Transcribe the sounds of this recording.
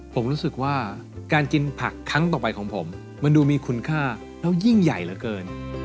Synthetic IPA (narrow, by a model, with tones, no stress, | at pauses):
pʰo˩˦mɾuː˦˥sɯ˨˩k̚waː˥˩ | kaː˧nki˧npʰa˨˩kʰːa˦˥ŋt̪̬ɔː˨˩pa˧jkʰɔː˩˦ŋpʰo˩˦mː | a˧nduː˧miː˧kʰu˧nkʰaː˥˩ | lɛː˦˥wji˥˩ŋja˨˩jlaː˨˦˥kɤː˧n